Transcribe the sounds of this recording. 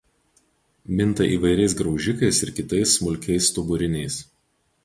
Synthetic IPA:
mʲɪnˑt̪ɐʔiːʋɐɪɾʲɛɪsɡɾɒʊʒʲɪkɐɪsɪɾkʲɪt̪ɐɪsːmʊlʲkʲɛɪst̪ʊbʊɾʲɪnʲɛɪs

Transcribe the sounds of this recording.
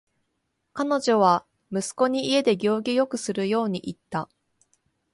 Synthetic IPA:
kano̞ʑo̞β̞a | mɯ̟sɨ̥ko̞ɲ̟iie̞d̪e̞ɡʲo̞ːɡʲijo̞kɯ̟sɨɾɯ̟jo̞ːɲ̟iʔit̪ːa

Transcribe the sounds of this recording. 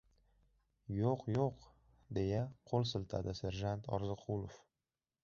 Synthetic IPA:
joqjoq | d̪e̞jaqʰolˠsɨlt̪ʰa̰d̪ɪse̞ɾʒant̪ʰɒ̰ɾzɨqʰulˠof

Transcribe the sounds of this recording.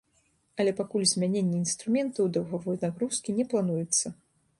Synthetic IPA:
ɐlʲɛpakulʲzʲmʲanʲenʲːɛinst̪ɾumʲɛnt̪ɐwd̪ɐwɣavɔjnaɣɾuskʲinʲɛplˠanujut̪sːɐ

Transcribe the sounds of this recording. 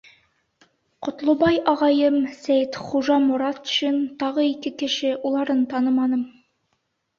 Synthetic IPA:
qŏt̪lˠŏbɑjɑʁɑjɤmsæjt̪χuʒɑmŭɾɑt̪ɵ̥ʃint̪ɑʁɤikɘkɘ̆ʃɘʔulˠɑɾɤnt̪ɑnɤmɑnɤm

